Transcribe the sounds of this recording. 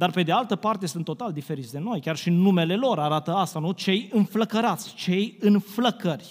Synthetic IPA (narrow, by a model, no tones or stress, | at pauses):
d̪arpe̞d̪ealt̪əpart̪e̞sɨnt̪ːo̞t̪ald̪ife̞ɾit̪sʲd̪e̞no̞jkʲarʃinume̞le̞lo̞ɾaɾat̪əast̪anut͡ʃe̞jɨnfləkəɾat̪sʲt͡ʃe̞jɨnfləkərʲ